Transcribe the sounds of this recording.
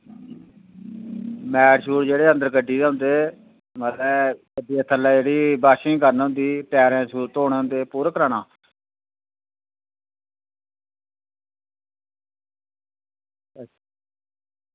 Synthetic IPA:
mɛːɽʃuːɾd͡ʒeːɽeːə̃nd̪əɾkəɖːiːd̪eːɦʊ̃nd̪eː | mət̪ɛ̃ːkədiːət̪ʰːəlːaːd͡ʒeːɽiːbaːʃĩːkəɾnɦʊ̃nd̪iːpɛːɾɛ̃ːsuːɾt̪oːɽːʊ̃nd̪eːpuːɾəkɾaːɳaː

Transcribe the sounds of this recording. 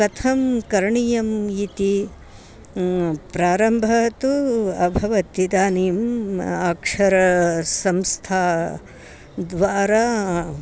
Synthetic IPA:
kɐt̪ʰɐmkɐɾɳijɐmit̪i | pɾaːɾɐmbʱɐt̪uɐbʱɐʋɐt̪id̪aːnimaːkʂɐɾɐsɐmst̪ʰaː | d̪ʋaːɾaː

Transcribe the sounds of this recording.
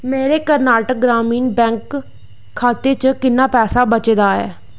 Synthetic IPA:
meːɾeːkəɾnaːʈək̚ɡɾaːmiːnbɛ̃ːŋkʰː | aːt̪eːt͡ʃəkɪnːaːpɛːsaːbət͡ʃeːd̪aːɛ̰ː

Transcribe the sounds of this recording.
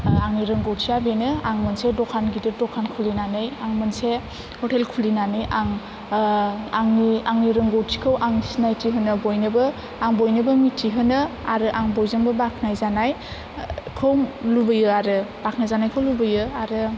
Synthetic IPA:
aŋniɾɯŋɡowtʰiabenɯaŋmɯnsedɔkʰanɡidɯɾdɔkʰankʰulinanɯjaŋmɯnse | hɔtʰelkʰulinanɯjʔaŋ | aŋniaŋniɾɯŋɡowtʰi̥kʰɯwʔaŋsinajtʰiɦɯnɯbojnɯbɯ | aŋbojnɯbɯmitʰiɦɯnɯaɾɯʔaŋbɔjzɯŋbɯbakʰnajzanaj | kʰɯwmlubɯjɯaɾɯbakʰnajzanajkʰɯwlubɯjɯaɾɯ

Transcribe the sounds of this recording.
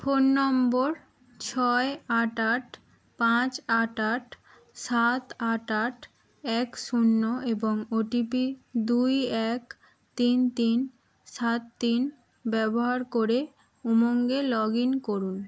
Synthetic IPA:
fonːɔmboɾ | t͡ɕʰɔeaʈaʈ | pãt͡ɕaʈaʈ | sat̪aʈaʈ | ɛkʃunːoʔeboŋoʈipid̪ujɛk | t̪int̪in | sat̪ːin | bɛboɦaɾkoɾe | umoŋɡelɔɡinkoɾun

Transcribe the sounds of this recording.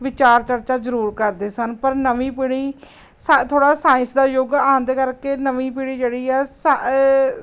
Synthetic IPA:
ʋɪt͡ʃaːɾt͡ʃəɾt͡ʃaːzəɾuːɾkəɾd̪eːsənpəɾnəʋĩːpiɽiː | st̪ʰoːɽaːsaːɪ̃nsd̪aːjoːɡãːnd̪eːkəɾkeːnəʋĩːpiɽiːd͡ʒeːɽiːɛːsa

